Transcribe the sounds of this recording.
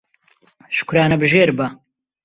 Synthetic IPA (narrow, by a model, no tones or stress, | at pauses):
ʃʊ̥kʷuɾaːnɐbɨʒeːɾbɐ